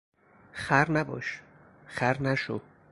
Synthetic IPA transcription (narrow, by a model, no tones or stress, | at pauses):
xæɾnæbɒ̰ːʃ | xæɾnæʃo